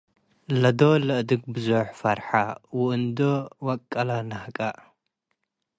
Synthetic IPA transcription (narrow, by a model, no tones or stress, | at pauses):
lɐd̪olɨʔd̪ɨɡbɨzuħfɐɾħawʊʔɨnd̪owɐkʼːɐlanɐhkʼa